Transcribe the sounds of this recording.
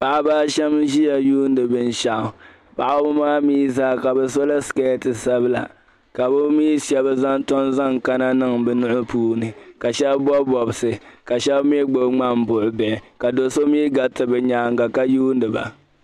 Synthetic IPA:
pa˨ʔa˦baː˦ʃɛ˦mʒi˦ja˨juː˦n˦dɨ˨bɨ˦n˦ʃa˨ʔʊ˨ | pa˨ʔa˦bʊ˦maː˦miː˦zaː˦ka˨bɛ˨so˦la˦ske˦tɨ˨sa˦bɨ˦la̰˨ | ka˨bʊ˦miː˦ʃɛ˨ba˦za˦n˦tɔ˦nza˦˨ŋka˦na˦nɨ˦˨ŋbɨ˨nʊ˦ʔʊ˦puː˦nɨ˨ka˨ʃɛ˦bbɔ˦bɔ˨bɨ˨sɨ˨ka˨ʃɛ˦bmi˦ɡ͡bo˦bŋ͡ma˦m̩˨bʊ˨ʔʊ˨bɛ˨ɪ˨ka˨do˨so˦miː˦ɡa˨tɨ˨bɛ˨ɲaː˨˦ŋ˦ɡa˨ka˦juː˦n˦dɨ˨ba̰˨

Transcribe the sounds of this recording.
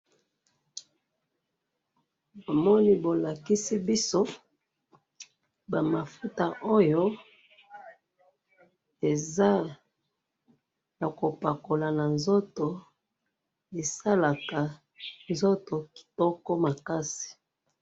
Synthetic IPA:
bo˨mɔ˦ni˦bo˨la˨ki˦si˦bi˦so˦ | ba˨ma˨fu˦ta˨ʔo˦jo˦ | e˨za˦ | ja˨ko˨pa˨ko˨la˨na˨nzo˦to˨ | e˨sa˦la˨ka˨ | nzo˦to˨ki̥˨tɔ˦kɔ˦ma˨ka˦si̥˨

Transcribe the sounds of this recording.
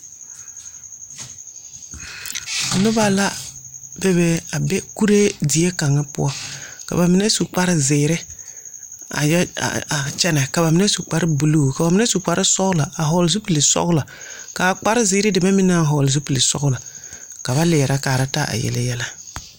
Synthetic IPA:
nʊ˦ba˦la˦bɛ˦bɛ˦a˨bɛ˦ku˦ɾe˦dɪ˨e˦ka˨ŋa˦pʊ̰˦ɔ˦ka̰˨ba˨mɪ˨nɛ˦su˨k͡pa˦ɾɪ˦zɪ˨ɾɪ˦ | a̰˨jɛ̰˦˨a˨t͡ʃɛ˦nɛ˨ka˨ba˨mɪ˨˦nɛ˦su˨k͡pa˨ɾɪ˦bu˨lo˦˨ka˨ba˨mɪ˦nɛ˦su˨k͡pa˨ɾɪ˦sɔ˦ɣla˨a˨ɦɔ˨ls̬u˦pi˨lɪ˨sɔ̰˦ɣla˨ | ka˨k͡pa˦ɾɪ˦zɪ˨˦ɾɪ˦dɪ˨ba˦mɪ˦na˦˨ɦɔ˨lz̬u˦pi˨lɪ˨sɔ̰˦ɣla˨ka˨ba˦lɪː˨ɾa˦kaː˨ɾa˦ta˦ʔa̰˨jɛ̰˨lɪ̰˦jɛ˦la˦

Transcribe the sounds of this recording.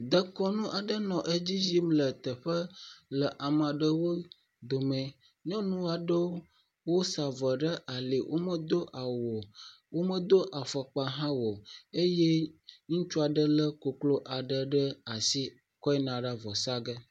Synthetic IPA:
d̪ə˦kɔ˦nũ˦ʔa˨ɖə˦nɔ̃˨ʔə˦d͡ʑi˦d͡ʒi˦mlə˨t̪ə˨ɸə˦lə˨ʔa˨mã˨ɖə˦wo˦ | d̪o˨mɛ̃˨ | ɲɔ̃˦nũ˦a˨ɖə˦wo˦ | wo˦sa˨və˨ɖə˦ʔa˨li˨wʔo̰˦mə˦d̪o˦ʔa˨wɔ˨ | wo˦mə˦d̪o˦ʔa˨fə˨k͡pa˦ɦã˦wo˨e˦je˦ɲũ˦t͡ʃu˦a˨ɖə˦lə˦ko˨klo˦ʔa˨ɖə˨ɖə˦a˨si˦ | kɔ˦ɛ˦nã˨ɖa˦vɔ˨sa˦ɡə˦

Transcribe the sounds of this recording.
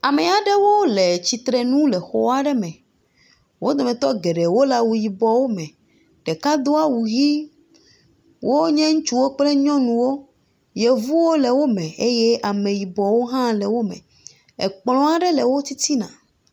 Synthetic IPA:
a˨me˨a˨ɖɛ˦wo˦le˨t͡ɕi˨t̪ɾɛ˨nũ˦lɛ˨xɔ˨a˦ɖɛ˦mɛ̃˨ | wo˦d̪ɔ˨mɛ̃˨t̪ɔ˦ɡe˨ɖe˨wo˦la˨wu˨ji˨bɔ˨wo˦mɛ̃˨ | ɖ̥e˨ka˦d̪o˦a˦wu˨ɣi˦ | wʔo˦ɲɛ̃˦ŋũ˦t͡ʃu˦wo˦k͡plɛ˦ɲɔ̃˦nũ˨wo˦ | je˨vu˦wo˦le˨wo˦mɛ̃˨e˦jɛ˦ʔa˨mẽ˨ji˨bɔ˨wo˦ɦã˦lɛ˨wo˦mɛ̰̃˨ | ḛ˨k͡plɔ̃˦a˨ɖɛ˦lɛ˨wo˦t̪i˦t̪i˦nã̰˨

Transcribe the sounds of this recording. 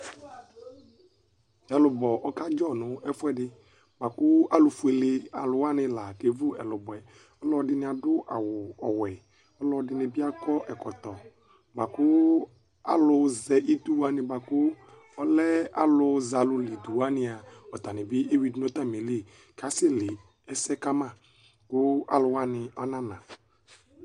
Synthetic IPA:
ɛ˨lʊ˨bɔ˨ʔɔ˦ka˦d͡ʒɔ˦˨nʊ̃˨ɛ˦fʊ˦ɛ˦˨dɪ˧ | ba˨kʊ˦a˨lʊ˧fu˦e˨lɪ˨a̰˨lʊ˨˦a˦nɪ̃˧la˨ke˨˦vʊ˦ɛ˨lʊ˨bɔ˨ɛ˨ | ɔ˦lɔ˧dɪ˧nɪ˧˦a˨dʊ˦ʔa˨wʊ˨ɔ˨wɛ˨ | ɔ˦lɔ˧dɪ˧nɪ̃˧bɪ˦a˦kɔ˦ʔɛ˨kɔ˨t̪ɔ˨ | ba˨kʊ˦ | a̰˨lʊ˧zɛ˨ʔi˦tu˦wa˦nɪ˨ba˨kʊ˦ | ɔ˦lɛ˦a˨lʊ˧za˨lʊ˧li˨du˨wa˦nɪ˦a˨ɔ˨t̪a˨nɪ̃˨bɪ˦e˦wi˦dno˦t̪a˦m˨e˨le˦˨ | ka˨˦se˦˨lɪ˨ | ɛ˦sɛ˦ka˦mã˦˨ | kʊ˦a̰˨lʊ˨wa˦nɪ˨ɔ˦nã˦nã˨

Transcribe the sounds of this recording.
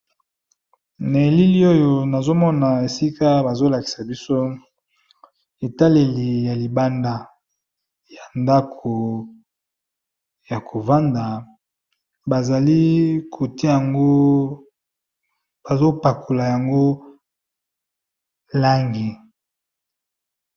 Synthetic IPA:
na˨e˨li˦li˦o˦jo˨na˨zo˦mɔ˦na˨e˨si˦ka˦ba˨zo˦la˨ki̥˨sa˨bi˦so˦ | e˨ta˦le˨li˨ja˨li˨ba˦nda˨ | ja˨nda˦kʰo˨ | ja˨kʰo˨va˦nda˨ | ba˨za˨li˦kʰo˨te˦ja˨ŋɡo˦ | ba˨zo˦pa˨kʰo˨la˨ja˨ŋɡo˦ | la˦ŋɡe˨

